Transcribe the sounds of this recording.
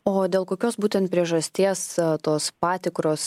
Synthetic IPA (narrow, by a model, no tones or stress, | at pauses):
oːd̪ʲeːlˠkoːkʲoːsbuːt̪ʲɛnt̪pʲɾʲiɛʒɐsʲt̪ʲiɛst̪oːspɑːt̪ʲɪkɾoːs